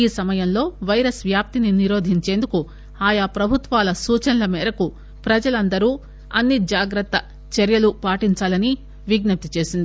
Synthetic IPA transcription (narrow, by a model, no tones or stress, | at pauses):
iːsɐmɐjɐmlo̞ːʋɐjɾɐsʋjaːp̚t̪ininiɾo̞ːd̪ʱiɲt͡ʃe̞ːnd̪uku | aːjapɾɐbʱut̪ʋaːlɐsuːt͡ʃɐnɐlɐmɛːɾɐku | pɾɐd͡ʒɐlɐnd̪ɐɾuː | ɐnːid͡ʒaːɡɾɐt̪ːɐ | t͡ʃɐɾjɐlupaːʈiɲt͡ʃaːlɐni | ʋiɡnɐp̚t̪i̥t͡ʃe̞ːsind̪i